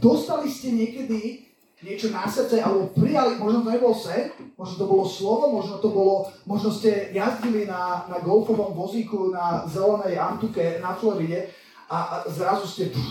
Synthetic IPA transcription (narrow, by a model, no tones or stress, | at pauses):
d̪̥ɔst̪aliscɛɲɪɛkɛd̪i | ɲɪɛt͡ʃɔnasɛt͡sɛʔalɛbɔpɾijalimɔʒnɔt̪ɔɲɛbɔlsɛnmɔʒnɔt̪ɔbɔlɔslɔʋɔmɔʒnɔt̪ɔbɔlɔmɔʒnɔscɛjazɟilinanaɡɔlfɔʋɔmʋɔzikunazɛlɛnɛjant̪ukɛnaflɔɾiɟɛ | azɾazuscɛ